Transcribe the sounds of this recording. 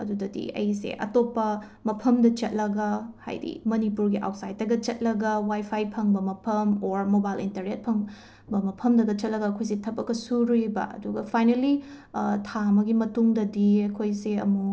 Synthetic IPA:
ɐ̰dudɐdḭɐ̰jsḛʔɐ̰topːɐ | mɐpʰɐmdɐt͡ʃɐt̚lɐɡɐha̰jdḭmɐnipuɾɡiʔa̰wt̚sajd̚ːɐɡɐt͡ʃɐt̚lɐɡɐwajpʰajpʰɐŋbɐmɐpʰɐmoɾmobajlḭntɐɾnet̚pʰɐŋ | bɐmɐpʰɐmdɐɡɐt͡ʃɐt̚lɐɡɐkʰojs̬itʰɐpɐkːɐsuɾibɐ̰ɐ̰duɡɐpʰajneli | tʰamɐɡimɐtuŋdɐdiɐkʰojseɐ̰mu

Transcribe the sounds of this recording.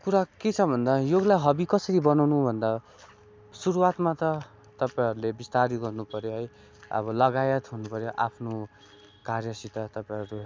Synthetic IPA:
kuɾaket͡sʰʌbʱʌnd̪ajoɡlaɦʌbikʌsʌɾibʌnawnubʱʌnd̪a | suɾuwat̪mat̪ʌ | t̪ʌpaj̃ɦʌɾulebist̪aɾiɡʌrnupʌɾjoɦʌj | ʌ̰βʌlʌɡajʌt̪ɦunupʌɾjoʔa̰pʰno | karjʌsit̪ʌt̪ʌpaĩɦʌɾu

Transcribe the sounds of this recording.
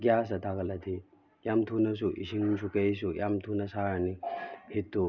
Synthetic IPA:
ɡjasɐtʰaɡɐlɐt̪ʰi | jamtʰunɐs̬uʔḭsiŋsukejsujʔamtʰunɐsaɾnihitːu

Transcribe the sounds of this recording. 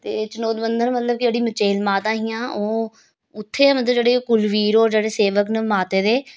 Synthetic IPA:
t̪eːt͡ʃənoːd̪bənd̪ənmət̪ləb̚kd͡ʒeːɽiːmət͡ʃeːlmaːt̪ãːɦɪjãːʔoː | ʊt̪ʰːeːaːmət̪ləbd͡ʒeːɽeːkʊlʋiːɾoːɾd͡ʒeːɽeːseːʋəknəmaːt̪eːd̪eː

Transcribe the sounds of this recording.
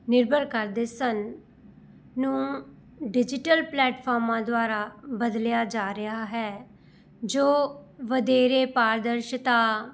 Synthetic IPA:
nɪɾbʱəɾkəɾd̪eːsən | ũː | ɖɪd͡ʒɪʈəlplɛːʈpʰɔːɾmãːd̪oaːɾaːbəd̪ljaːd͡ʒaːɾɪaːɦɛː | d͡ʒoːʋəd̪eːɾeːpaːɾd̪əɾʃt̪ãː

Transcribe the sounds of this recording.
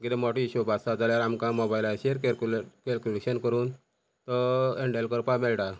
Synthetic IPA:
ɡiɾemɔʈiɕubasad͡zaljaɾamkãmɔbajlaɕeɾkeklkelkuleɕənkəɾuːn | t̪ɔeɳɖelkəɾpamɛlʈa

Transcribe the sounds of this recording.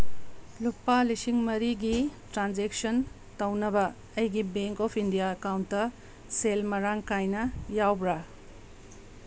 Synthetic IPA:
lupːalisiŋmɐɾiɡitɾanzek̚son | tɐwnɐbɐ | ɐjɡibeŋkɔpʰindijaɐkawntːɐ | selmɐɾaŋkajnɐjawbɾa

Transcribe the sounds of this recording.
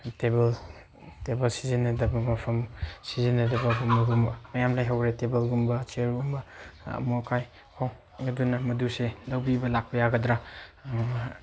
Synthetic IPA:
tebɐl | tebɐlsizinɐdɐbɐmɐpʰɐmsizinɐdɐbɐɡumɐɡumbɐmɐjamlajɦawɾetebɐlɡumbɐt͡ʃeɾɡumbɐɐ̰mokʰaj | hʰaw | ŋɐdunɐmɐduselɐwbibɐlak̚pɐjaɡɐdɾa

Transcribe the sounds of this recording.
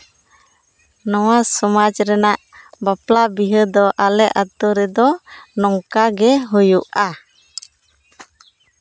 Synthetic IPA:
nɔwasɔmad͡ʒɾɛnaʔbaplabiɦəd̪ɔʔalɛʔat̪uɾɛd̪ɔnɔŋkaɡɛɦujuʔa

